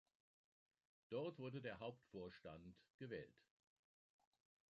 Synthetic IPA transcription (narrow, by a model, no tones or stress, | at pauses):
d̥ɔɐtv̥ʊɐdədeːɐɦaʊptfoːɐʃtantɡ̥əvɛːlt